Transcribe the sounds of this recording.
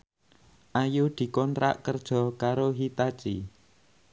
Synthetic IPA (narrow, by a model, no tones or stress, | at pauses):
ʔajud̪̥i̤kɔnɾa̰ʔkərd̥ʒ̥ɔ̤kaɾoɦit̪at͡ʃḭ